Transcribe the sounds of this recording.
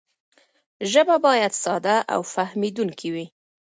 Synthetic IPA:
ʒəbabɑjad̪sɑd̪aʔa̰wfahmid̪uŋkiwi

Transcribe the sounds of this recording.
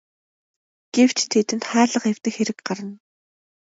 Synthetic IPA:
ɡ̥ew̥t͡ɕʰt̪ʰet̪ɘ̆nt̪χæːɮə̆qew̥t̪ɘ̆kxeɾɘ̆kɢaɾə̆n

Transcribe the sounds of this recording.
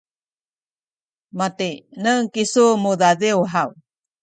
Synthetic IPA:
matenəŋkisumuðaðewɦaw

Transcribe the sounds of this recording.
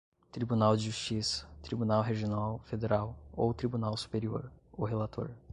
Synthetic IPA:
t̪ɾibunawd͡ʒɪʒust͡ʃisɐ̥t̪ɾibunawɦeʒionawfed̪eɾawo̰wt̪ɾibunawsu̥peɾioɾoɦelat̪ʰo̰ɾ

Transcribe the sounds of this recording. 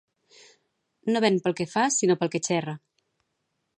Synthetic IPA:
noβɛnpəlˠkəfasinopəlˠket͡ʃɛrə

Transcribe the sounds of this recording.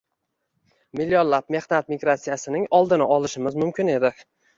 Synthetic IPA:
mɪlːjonlˠap̚me̞χnat̪̚miɡɾat̪sijasɪnɪŋɒlˠd̪ɪnɪʔɒlɪʃɪmɪzmʊmkʲʰɪne̞d̪ɪ

